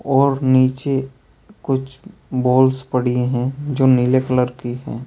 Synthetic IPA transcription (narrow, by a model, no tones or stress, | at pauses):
ɔːɾniːt͡ʃe | kʊt͡ʃʰbɔːlspɐɽieɦɛ̃d͡ʒoːnilekələɾkiɦɛ̰̃ː